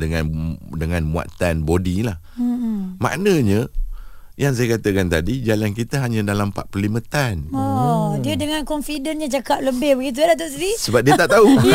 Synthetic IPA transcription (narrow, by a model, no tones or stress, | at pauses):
dəŋãndəŋãnmua̰t̪anbodilah̩ | mã̰ʔnə̃ɲə̃ | jaŋs̬ajakat̪əkant̪adid͡ʒalankit̪əɦaɲãdalampa̰ʔpərlimə̃t̪anɔdiədəŋankɔnfidənɲãt͡ʃakap̚ləbɪhbəɡit̪̬uadat̪̬oʔsiɾisəbap̚diət̪aʔt̪au